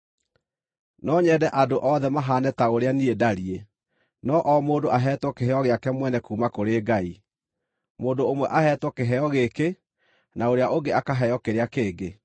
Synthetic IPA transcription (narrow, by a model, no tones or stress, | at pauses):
nɔɲɛdɛʔadoʔɔðɛmaɦaːnɛtaoɾeaniedaɾie | nɔʔɔmoːdoʔaɦɛːtwɔkeɦɛɔɣeakɛmwɛnɛkuːmakoɾeːɡai | moːndoːmwɛʔaɦɛːtwɔkeɦɛɔɣeke | naoɾeaʔoɡeakaɦɛjɔkeɾeakeːɡe